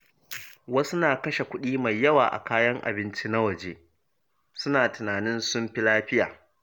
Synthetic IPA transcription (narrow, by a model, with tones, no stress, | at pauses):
wɐ˦su˦naː˨kɐ˦ʃe˨kʷʊ˦ɗiː˦ma˨jːɐ˦waː˨ʔa̰˨kaː˦jɐ˦ŋʔa̰˨bɪ˦nt͡ʃi˦na˦wɐ˨d͡ʒeː˦ | sʊ˦naː˨tɪ˨naː˨nɪ˦nsʊ˦mɸi˦laː˦ɸɪ˦ja̰ː˨